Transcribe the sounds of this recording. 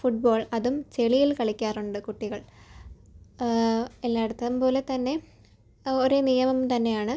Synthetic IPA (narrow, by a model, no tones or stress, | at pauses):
fuʈ̚bo̞ːɭɐðumt͡ɕe̞ɭijilkɐɭikʲːaːruɳɖɨkuʈːiɣɐɭ | elːaːeɽut̪ːɐðumpo̞ːle̞t̪ɐnːe̞ | oɾenijɐmɐmt̪ɐnːe̞jaːɳɨ